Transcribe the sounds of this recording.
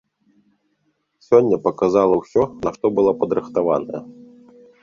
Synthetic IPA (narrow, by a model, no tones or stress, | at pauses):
sʲɔnʲːɐpɐkazalˠɐwsʲɔnɐʂt̪ɔbɨlˠɔpɐd̪ɾɨxt̪ava̰nɐjɐ